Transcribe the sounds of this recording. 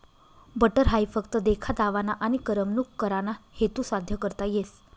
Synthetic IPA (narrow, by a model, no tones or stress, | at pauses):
bəʈəɾɦajfəkt̪əd̪ekʰad̪aʋanaʔañikəɾəmnukːəɾanahet̪usad̪ʱjəkəɾt̪ajes